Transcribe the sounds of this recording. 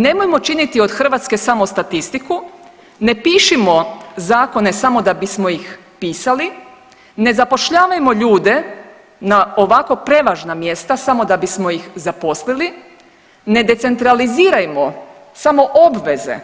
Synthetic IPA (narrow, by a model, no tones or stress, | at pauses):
ne̞mojmo̞t͡ʃinit̪io̞d̪xr̩ʋat̪ske̞samo̞st̪at̪ist̪iku | ne̞piːʃimo̞zaːko̞ne̞samo̞d̪abismo̞jix | piːsali | ne̞zapo̞ʃʎaːʋajmo̞ʎuːd̪e̞ | naoʋako̞pɾe̞ʋaːʒnamje̞st̪asamo̞d̪abismo̞jixzapo̞slili | ne̞d̪e̞t̪se̞nt̪ɾaliziːɾajemo̞ | samo̞ʔobʋe̞ze̞̰